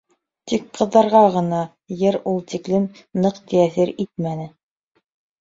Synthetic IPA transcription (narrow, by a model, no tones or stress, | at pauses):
t̪ikqɤ̆ðːɑɾʁɑʁɤ̆nɑ | jɤɾulˠt̪iklɘmnɤqt̪ʰææθiɾit̪̚mænɘ